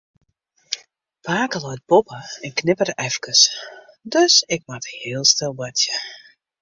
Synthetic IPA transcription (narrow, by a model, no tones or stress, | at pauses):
paːkəlɔjt̚bopəɛnknɪpərʔɛfkəs | døsɪk̚mathɪəlˠstɪlˠbatjə